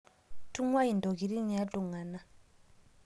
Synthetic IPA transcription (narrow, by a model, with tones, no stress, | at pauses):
tʰu˦ŋwa˦i˨ndɔ˨ki˨ɾi˦ni˨ja˦tu˨ŋa˨na˦